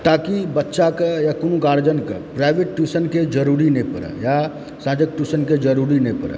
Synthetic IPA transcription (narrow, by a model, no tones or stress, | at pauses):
t̪akibətːʃakejakonukaɾd͡ʒənkḛpɾaɪbeʈːusənked͡ʒəɾuɾinə̃jpəɾə̰ja | sãd͡ʒək̚ʈusənked͡ʒəɾuɾinəpəɾə̰